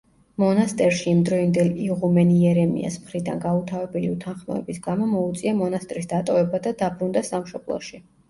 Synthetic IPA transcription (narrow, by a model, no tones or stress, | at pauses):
mɔnast̪ʼɛɾʃiːmd̪ɾɔind̪ɛliʁumɛniɛɾɛmḭa̰smχɾid̪a̰nɡaut̪ʰavɛbɛliut̪ʰanχmɔ̰ɛ̰bisɡamɔmɔut̪sʼiamɔnast̪ʼɾisd̪at̪ʼɔvɛbad̪ad̪abɾund̪asamʃɔblˠɔ̰ʃi